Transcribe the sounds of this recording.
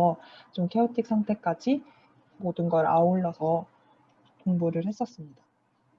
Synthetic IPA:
ʌt͡ɕomkʰeotʰik̚s͈ʰaŋtʰe̞k͈ad͡ʑi | modɯnɡʌɾaoɭːʌsʰʌ | toŋbuɾɯɭhes͈ʌs͈ɯmɲida

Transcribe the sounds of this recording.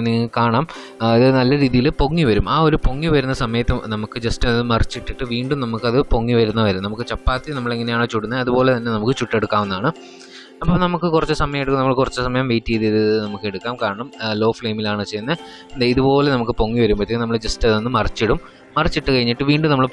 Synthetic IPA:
nːiŋːkaːɳaːm | iðɨnɐlːɐɾiːðijilpo̞ŋːiʋɐɾumaːo̞ɾupo̞ŋːiʋɐɾunːɐsɐmɐjɐt̪ːɨnɐmukːɨd͡ʑestɐnenːɨmɐrit͡ɕːiʈːiʈːɨʋiːɳɖumnɐmukːɐðɨpo̞ŋːiʋɐɾunːɐʋɐɾumnɐmukːɨt͡ɕɐpːaːt̪ːinɐmːɐɭeŋːɐnejaːɳot͡ɕuɽunːɐɐðupo̞ːle̞t̪ɐnːe̞nɐmukːɨt͡ɕuʈːe̞ɽukːaːʋunːaːɳɨ | ɐpːoːnɐmukːɨkurɐt͡ɕːɨsɐmɐjɐjeɽukːɨnɐmːɐɭkurɐt͡ɕːɨsɐmɐjɐmʋejtːijɐðiɐðɨnɐmukːe̞ɽukːaːmkaːɳɐɳɐmlo̞ːfɭeːmilaːɳɨt͡ɕejnːɐ | nd̪eiðupo̞ːle̞nɐmukːɨpo̞ŋːiʋɐɾumpɐt̪ːiːnɐmːɐɭd͡ʑestenːɨmɐrit͡ɕːiɽumː | ɐrit͡ɕːiʈːɨkɐɻiɲːiʈːɨʋiːɳɖumnɐmːɐɭ

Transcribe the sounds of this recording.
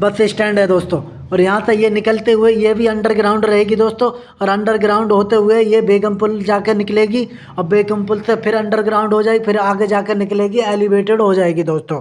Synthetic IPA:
bɐsesʈɛ̃ːɳɖɦɛd̪oːst̪õː | ɔːɾjɐɦãsejenɪkəlt̪eɦʊejebʱiɐ̃ɳɖəɾɡɾaːʊ̃ɳɖɾɐɦeːɡid̪oːst̪õː | ɔːɾɐ̃ɳɖəɾɡɾaːʊ̃ɳɖɦoːt̪eɦʊejebeːkəmpʊld͡ʒaːkenɪkleːɡi | ɔbeːkə̃mpʊlsepʰɪɾɐ̃ɳɖəɾɡɾaːʊ̃ɳɖɦod͡ʒaːeɡpʰɪɾaːɡed͡ʒaːkenɪkleːɡiɛːlɪbeːʈɪɖɦod͡ʒaːeːɡid̪oːst̪õː

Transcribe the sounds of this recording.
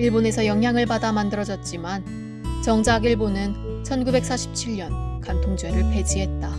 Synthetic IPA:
iɭbone̞sʰʌjʌŋɦjaŋɯɭbadamandɯɾʌd͡ʑʌt̚t͡ɕ͈iman | t͡ɕʌŋd͡ʑaɡiɭbonɯnt͡ɕʰʌnɡube̞k̚s͈aɕʰi̥p̚t͡ɕʰiʎɲʌnkantʰoŋd͡ʑwe̞ɾɯɭpʰe̞d͡ʑiɦe̞t̚t͈a

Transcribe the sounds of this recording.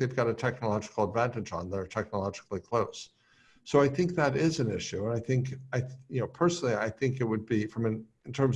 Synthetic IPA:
ðeɪvɡɑɾɨtʰɛk̚nəlɑd͡ʒɨkl̩ˠədvæ̃ntɨd͡ʒn̩ðəə˞tʰɛk̚nəlɑd͡ʒɨklˠikʰl̥oʊsː | oʊaɪθɪ̃ŋk̚ðɨɾɪzɨ̃nɪ̰ʃʉə̃naɪθɪ̃ŋkaɪjɨnoʊpʰɜ˞sn̩l̩ˠia̰ɪθɪ̃ŋkɨt̚wɨd̚bifɹʌ̃mɨ̃nɨ̃ntʰɜ̃˞m

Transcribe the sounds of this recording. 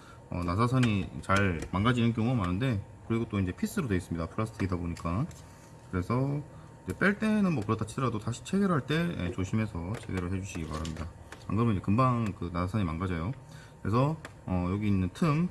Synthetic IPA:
ʌ̰nasʰasʰaɲit͡ɕaɭmanɡad͡ʑinɯnkjʌŋuamanɯnde̞kɯɾiɡot͈oind͡ʑe̞pʰis͈ɯɾodweis͈ɯmɲidapʰɯɾasʰɯtʰɯɡidaboɲik͈a | kɯɾe̞sʰʌ | id͡ʑe̞p͈e̞ɭt͈e̞nɯnmwʌkɯɾʌtat͡ɕʰidʌɾadotaɕʰi̥t͡ɕʰe̞ɡeɾɦaɭt͈e̞jḛt͡ɕoɕʰimesʰʌt͡ɕʰe̞̰ɡeɾɯɭɦe̞d͡ʑuɕʰiɡiba̰ɾamɲida | a̰kɯɾʌmjniɲd͡ʑekɯmbaŋkɯnasʰasʰaɲimanɡad͡ʑajo | kɯɾe̞sʰʌʌjoɡiːnːɯntʰɯm

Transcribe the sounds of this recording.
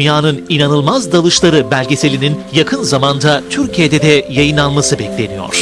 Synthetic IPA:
njaːnɯninanɯlˠmazd̪alˠɯʃlˠaɾɯbælʲɟe̞se̞lʲininjakʰɯnzamand̪at̪ʰyɾcʰijed̪ɛd̪ɛjajɯnalˠmasɯbɛclʲe̞nijo̰ɾ̥

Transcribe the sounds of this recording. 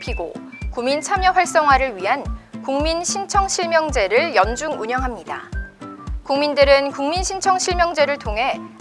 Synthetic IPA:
pʰiɡo̰ | kumint͡ɕʰamjʌɸwaɭs͈ʌŋɦwaɾɯɭɥiɦankuŋminɕʰint͡ɕʰʌŋɕʰiɭmjʌŋd͡ʑe̞ɾɯɭjʌnd͡ʑuŋuɲʌŋɦamɲida̰ | kuŋmindɯɾɯnkuŋminɕʰint͡ɕʰʌŋɕʰiɭmjʌŋd͡ʑe̞ɾɯɭtʰoŋɦe̞

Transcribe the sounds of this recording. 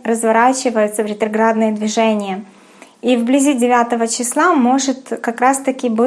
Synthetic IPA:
ɾəzvɐɾat͡ɕɪvəjʊt̪səvɾʲɪt̪ɾɐɡɾad̪nɨjəd̪vʲɪʐɛnʲɪjə | ivblʲɪzʲidʲɪvʲat̪əvət͡ɕɪslˠamo̞ʐɨt̪kɐkɾast̪ɐkʲɪbɨ

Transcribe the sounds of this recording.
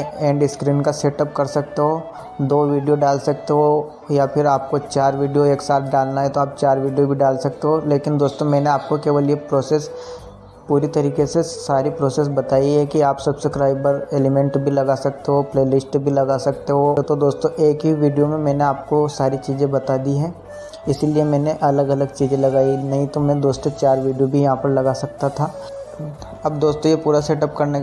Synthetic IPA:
ɛ̃ːɳɖɪskɾiːnkaseːʈəp̚kɐɾsɐk̚t̪eɦoː | d̪oːʋiːɖijoɖaːlsɐk̚t̪eɦo | japʰɪɾaːp̚kot͡ʃaːɾʋiːɖijoeːksaːt̪̚ʰɖaːlnaɦɛt̪oaːp̚t͡ʃaːɾʋiːɖijobʱiɖaːlsɐk̚t̪eɦoleːkɪnd̪oːst̪õmɛ̃ːneaːp̚kokeːʋəliepɾoːseːs | puːɾit̪ɐɾiːkesesaːɾipɾoːseːs̬bɐt̪aːiɦɛkiaːpsɐbsekɾaːɪbəɾeːlɪmɛ̃ɳʈbʱilɐɡasɐkt̪eɦopleːlɪsʈbʱilɐɡasɐk̚t̪eɦot̪õd̪oːst̪õʔeːkɦiʋiːɖijomẽmɛ̃ːneaːp̚kosaːɾit͡ʃiːzẽbɐt̪aːd̪iɦɛ̃ː | ɪsiliemɛ̃ːneʔɐləɡɐləɡt͡ʃiːzẽlɐɡaːinɐɦĩt̪omɛ̃d̪oːst̪õt͡ʃaːɾʋiːɖijobʱijɐɦãpɐɾlɐɡasɐk̚t̪at̪ʰaː | ɐbd̪oːst̪õjepuːɾaseːʈəp̚kɐɾne

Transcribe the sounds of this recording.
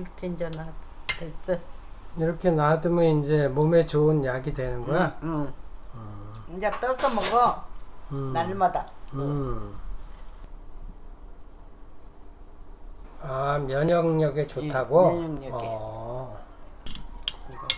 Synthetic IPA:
ɾkʰeind͡ʑanades͈ʌiɾʌkʰe̞nadɯmɯind͡ʑe̞mome̞t͡ɕoɯnjaɡidwe̞nɯnɡʌja | ɯiɲd͡ʑat͈ʌsʰʌmʌɡʌ | naɭmadaɯ | amjʌɲʌŋɲʌɡet͡ɕotʰaɡoɲŋɲʌʌɡ

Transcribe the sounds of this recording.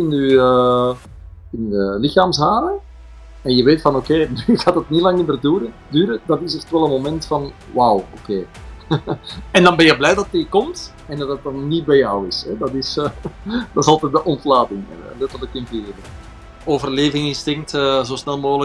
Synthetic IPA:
ɪnyə | ɪndəlɪxaːmsɦaːɾə | ɛnjəʋeːtfɑnokeːnyɪaːdətnilɑŋnimərdyːɾədyːɾədɑtɪsɛxtʋɛlˠəmomɛntfɑn | wawokeː | ɛndɑnbɛnjəblɛjdɑtikɔmt | ɛndɑtət̚ːɑnːit̚bɛjɔwɪsɛdɑtɪs | d̥ɑtɪsɑlˠtɛt̚dəʔɔntlaːtɪŋ̰lɛtərləkɪnverə | oːvərleːvɪŋɪnstɪŋk̚təzoːsnɛlˠmoːɣlə

